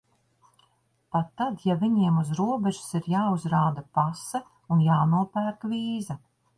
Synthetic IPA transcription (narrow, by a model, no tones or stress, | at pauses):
pat̪ːad̪javiɲiɛmuzɾuɔbɛʒu̥siɾjaːuzɾaːd̪apasɐ | unjaːnuɔpæːɾkviːzɐ